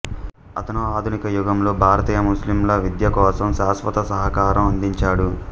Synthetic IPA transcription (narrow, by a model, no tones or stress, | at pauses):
ɐ̰t̪ɐnuaːd̪ʱunikɐjuɡɐmlo̞ːbʱaːɾɐt̪iːjɐmuslimlɐʋid̪jɐkɔːsɐmʃaːsʋɐt̪ɐsɐɦɐkaːɾɐmɐnd̪iɲt͡ʃaːɽu